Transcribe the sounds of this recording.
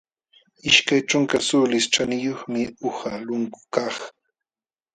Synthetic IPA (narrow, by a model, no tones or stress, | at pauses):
ɪʃkajt͡ʃʊŋkasʊlɪsʈ͡ʂanɪjoχmɪʊhalʊŋkʊ̥kɑχ